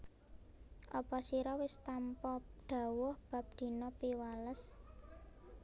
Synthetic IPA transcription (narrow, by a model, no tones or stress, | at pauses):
ʔɔpɔsiɾɔwɪst̪ampɔd̪̥a̤wʊhb̥a̤p̚d̪̥i̤nɔpiwaləs